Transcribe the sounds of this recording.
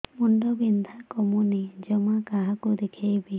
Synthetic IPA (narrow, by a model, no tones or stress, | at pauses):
muɳɖɔbind̪ʱakɔmunid͡ʒɔmakaɦakud̪ekʰejbi